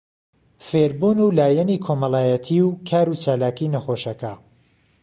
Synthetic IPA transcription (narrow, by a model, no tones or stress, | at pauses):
feːɾbuːnuːlaːjɛniːkʰomɑlaːjɐt̪ʰiwkʰaːɾut͡ʃaːlaːkiːnɐxoʃɐkɐ